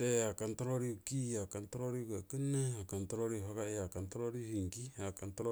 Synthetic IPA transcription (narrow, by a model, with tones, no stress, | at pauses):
te˦a˨ka˨nta˦ɾo˦ɾi˦u˨ki˦ja˨ka˨nta˦ɾo˦ɾi˦ka˨ki˦na˦a˨ka˨nta˦ɾo˦ɾi˦˨ha˦ka˦ja˨ka˨nta˦ɾo˦ɾi˦hi˨ŋki˦a˨ka˨ntɾo˦